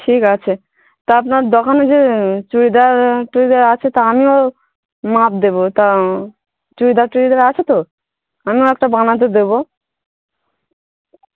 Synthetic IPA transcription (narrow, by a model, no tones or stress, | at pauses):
ʈʰikat͡ɕʰe | t̪oapnaɾd̪ɔkʰaned͡ʑet͡ɕuɾid̪aɾʈuɾid̪aɾat͡ɕʰet̪aamio | map̚d̪ebot̪a | t͡ɕuɾid̪aɾt͡ɕuɾid̪aɾat͡ɕʰet̪o | amioɛkʈabanat̪̬ed̪ebo